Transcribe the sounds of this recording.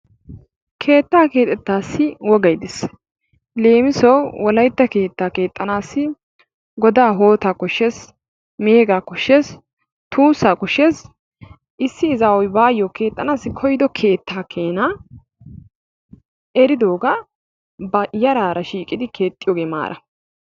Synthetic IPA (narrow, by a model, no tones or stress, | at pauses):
kʰe̞ːt̪ːaːke̞ːt̪ʼːɛt̪ːaːsːɪwɔɡɐjd̪ɪs | le̞ːmɪsɔwwɔlɐjt̪ːɐke̞ːt̪ːaːke̞ːt̪ʼːɐnaːsːɪ | ɡɔd̪aːɦo̞ːt̪aːkɔʃːes | meːɡaːkɔʃːes | t̪ʰuːsːaːkʊʃːes | ʔɪsːɪːzawɔjbaːjːɔːke̞ːt̪ʼːɐnaːsːɪkʰɔjd̪ɔkʰe̞ːt̪ːaːkʰe̞ːna | ɛɾɪd̪o̞ːɡa | bɐjɐɾaːɾɐʃiːkʼɪd̪ɪkʰe̞ːt̪ʼːɪjoːɡeːma̰ːɾʔɐ̰